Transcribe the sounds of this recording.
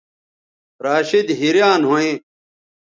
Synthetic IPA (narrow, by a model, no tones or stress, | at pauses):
ɾaːɕid̪ɦiɾjaːnɦoẽː